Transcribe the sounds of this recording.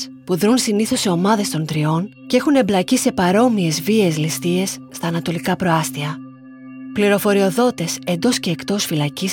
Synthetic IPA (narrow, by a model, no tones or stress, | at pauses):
spuðɾunsiniθo̞seo̞mɐðe̞st̪o̞nt̪ɾio̞ncee̞xune̞mblɐcise̞pɐɾo̞mie̞zvie̞zlist̪ie̞sːt̪ɐːnɐt̪o̞likɐpɾo̞ɐst̪iɐ | pliɾo̞fo̞ɾio̞ðo̞t̪e̞se̞nd̪o̞sce̞ːkt̪o̞sfilɐcis